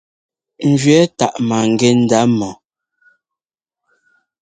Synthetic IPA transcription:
n̩˨d͡ʒɥɛ˦ta˨ʔma˨ŋ˨ɡe˦n̩˦da˨˦mɔ˨

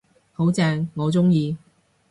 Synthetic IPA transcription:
ho˨˥wt͡sɛː˧ŋːɔː˨˧t͡sʊ˥ŋjiː˧

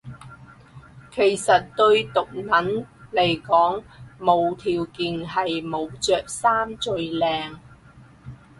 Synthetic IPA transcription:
kʰe˨˩jsɐ˨t̚t̪ɵ˧ɥt̪ʊ˨k̚nɐ˨˥nle˨˩jkɔː˨˥ŋmo˨˧wt̪ʰiː˨wkiː˨˧nɦɐ˨jmo˨˧wt͡sœː˨k̚saː˥mt͡sɵ˨˧ɥlɛː˨˧ŋ

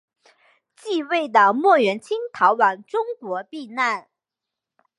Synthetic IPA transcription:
t͡ɕi˥˧we˥˩ɪd̪ə˩mwɔ˥˩ɥɛ˧˥nt͡ɕʰi˥ŋt̪ʰɑ˧˥ʊwa˨˩nʈ͡ʂʊ˥ŋkwɔ˧˥pi˥˧na˥˩n

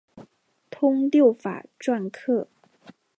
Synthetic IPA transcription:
t̪ʰʊ˥ŋt̪jo˥˩ʊfa̰˨˩ʈ͡ʂwa˥˧nkʰɤ˥˩

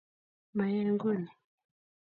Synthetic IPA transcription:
ma˨jeː˦ŋɡu˦˨ni˨

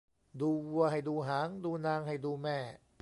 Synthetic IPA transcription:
duː˧wu˧əɐɦa˧˨˩jduː˧ɦaː˩˦ŋduː˧naː˧ŋha˨˩jduː˧mɛː˥˩

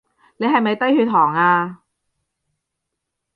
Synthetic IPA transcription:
ne˨˧jɦɐ˨jmɐ˨jt̪ɐ˥jhyː˧t̪̚ɦʰɔː˨˩ŋaː˧

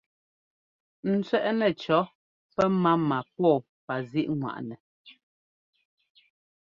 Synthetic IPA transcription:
n̩˦t͡sɥɛ˦ʔnɛ˨t͡ʃɔ˨˦ | pɛ˦ma˦ma˨pɔː˦˨ | pa˨zi˦ʔŋwa̰˨ʔnɛ˨

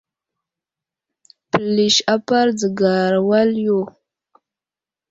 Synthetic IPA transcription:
pə˨li˨ʃa˦pa˦ɾd͡zə˨ɡa˨ɾwa˦ljo˦˨

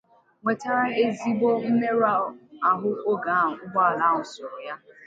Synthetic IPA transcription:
ŋʷe˨ta˦ɾa˦e˦zi˦ɡ͡bo˦n̩˦ne˦ɾa˦˨a˨ɦʊ˦o˦ɡa˨˦a˦˨ʊ˨ʊ˦ɡ͡ba˦a˨la˦˨ŋʊ˨sʊ˨ɾʊ˨ja˦

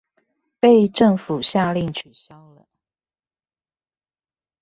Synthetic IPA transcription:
pe˥˧ɪʈ͡ʂə˥˨ŋfu˨˩ɕja˥˧li˥˨ŋt͡ɕʰy˨˩ɕjɑ˦ʊlə˨

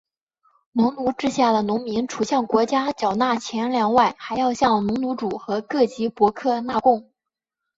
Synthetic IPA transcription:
nʊ˧˥ŋnu˧˥ʈ͡ʂɻ̩˥ɕja˥˩d̪ə˩nʊ˧˥ŋmi˧˥ŋʈ͡ʂʰu˨˩ɕjɑ˥˩ŋkwɔ˧˥t͡ɕja˥t͡ɕjɑ˨˩ʊna˥˩t͡ɕʰjɛ˧˥nljɑ˧˥ŋwa˥˩ɪxa˧˥ɪjɑ˥˧ʊɕjɑ˥˩ŋnʊ˧˥ŋnu˧˥ʈ͡ʂu˨˩xɤ˧˥kɤ˥˩t͡ɕi˧˥pwɔ˧˥kʰɤ˥˧na˥˧kʊ˥˩ŋ

